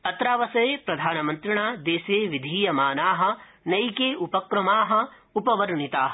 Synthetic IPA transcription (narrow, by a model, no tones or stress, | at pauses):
ɐt̪ɾaːʋɐsɐjeːpɾɐd̪ʱaːnɐmɐnt̪ɾiɳaːd̪eːseːʋid̪ʱiːjɐmaːnaːɦɐ̆ | nɐjkeːupɐkɾɐmaːɦɐ̆ | upɐʋɐɾɳit̪aːɦɐ